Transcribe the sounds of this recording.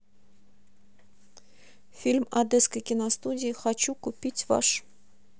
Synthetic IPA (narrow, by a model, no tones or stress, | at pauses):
fʲilʲmɐd̪eskəjkʲɪnɐst̪udʲɪːxɐt͡ɕukʊpʲitʲva̰ʂ